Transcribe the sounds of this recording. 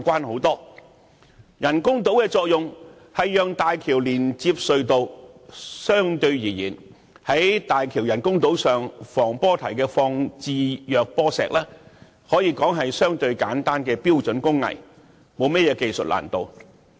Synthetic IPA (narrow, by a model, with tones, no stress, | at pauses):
kʷaː˥nho˨˥wt̪ɔː˥ | jɐ˨˩nkʊ˥ŋt̪o˨˥wkɛː˧t͡sɔː˧k̚jʊ˨ŋ | hɐ˨jːœː˨ŋt̪aː˨jkʰiː˨˩wliː˨˩nt͡siː˧p̚sɵ˨˧ɥt̪o˧w | sœː˥ŋt̪ɵ˧ɥjiː˨˩jiː˨˩n | hɐ˨˥jt̪aː˨jkʰi˨˩wjɐ˨˩nkʊ˥ŋt̪o˨˥wsœː˨ŋfɔː˨˩ŋpɔː˥t̪ʰɐ˨˩jkɛː˧fɔː˧ŋt͡siː˨˧jœː˨˧k̚pɔː˥sɛ̰ː˨˧k̚lɛː˥ | hɔː˨˥jiː˧kɔː˨˥ŋɦɐ˨jsœː˥ŋt̪ɵ˧ɥkaː˨˥nt̪aː˥nkɛː˧piː˥wt͡sɵ˨˥nkʊ˥ŋːɐ̰˨˩j | mo˨˧wmɛ˥jɛː˧ke˨jsɵ̰˨t̚la̰ː˨˩nt̪o˨w